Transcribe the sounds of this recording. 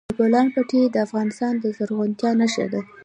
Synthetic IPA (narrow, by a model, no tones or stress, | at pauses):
polɑnpəʈʰed̪əafɣɑnɪst̪ɑnd̪əzəɾɣunt̪jɑnaʃa̰d̪a